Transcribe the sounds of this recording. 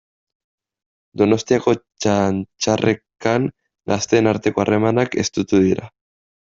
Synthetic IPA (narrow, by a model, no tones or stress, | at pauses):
d̪o̞no̞st̪iako̞t͡ʃant͡ʃare̞kan | ɡast̪e̞ːnaɾt̪e̞ko̞are̞manake̞st̪ut̪uðiɾa̰